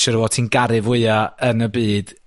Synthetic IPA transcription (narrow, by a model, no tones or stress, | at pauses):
ʃəɾwɔtʰiːnɡaɾɨvwɪɨaənəbiːd̥